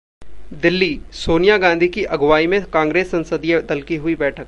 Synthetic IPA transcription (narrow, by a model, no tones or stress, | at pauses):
d̪ɪlːisoːnijaɡãːnd̪ʱikiʔɐɡʋaːimẽkãːŋɡɾeːsːɐ̃nsəd̪ijed̪ɐlkiɦʊibɛːʈʰək̚